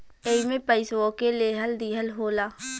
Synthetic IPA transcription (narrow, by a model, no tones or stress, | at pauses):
eimẽpəɪsokeleɦəld̪iːɦəlɦoːlaː